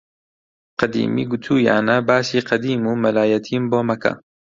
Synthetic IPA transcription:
qɐd̪ḭːmḭːɡʊt̪ʰuːja̰ːnɐbaːsiːqʰɐd̪iːmuːmɐlaːjɐt̪ʰiːmboːmɐkʰɐ̰

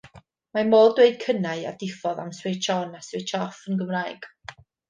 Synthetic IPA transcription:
mamoːdweɨd̥̚kʰənaɨa̰dɪfɔða̰mswet͡ʃʰɔnaswejt͡ʃʰɔfənɡəmraːɨɡ̥

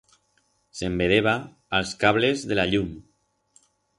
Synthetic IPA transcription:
sembeðeβ̞aː | lˠskaβlezðelaʎum

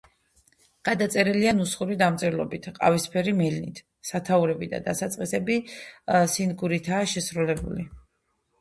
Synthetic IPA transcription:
ɡ̥ad̪at̪sʼɛɾɛlianusχuɾid̪amt̪sʼɛɾlˠɔ̰bit̪ʰqʼa̰vispʰɛɾimɛlnḭt̪ʰ | sat̪ʰauɾɛbid̪a̰d̪asat̪sʼqʼisɛbi | sinɡuɾit̪ʰaːʃɛsɾulɛbṵli

